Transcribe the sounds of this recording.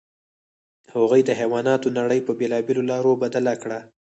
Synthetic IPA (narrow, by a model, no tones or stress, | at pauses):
haɣujd̪əɦewɑnɑt̪onaɽəjpəbelɑbelolɑɾobad̪alakɽa